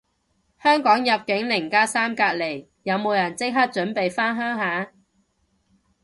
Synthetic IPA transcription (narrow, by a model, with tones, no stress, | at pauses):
hœː˥ŋkɔː˨˥ŋjɐ˨p̚kɪ˨˥ŋlɪ˨˩ŋkaː˥saː˥mkaː˧t̚le˨˩j | jɐ˨˧wmo˨˧wjɐ˨˩nt͡sɪ˥k̚ɦɐ˥t̚t͡ʃɵ˨˥npe˨jfaː˥nɦœː˥ŋɦaː˨˥